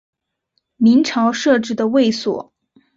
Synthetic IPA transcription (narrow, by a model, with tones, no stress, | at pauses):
mi˧˥ŋʈ͡ʂʰɑ˧˥ʊʂɤ˥˧ʈ͡ʂɻ̩˥˩d̪ə˩we˥˩ɪswɔ̰˨˩˦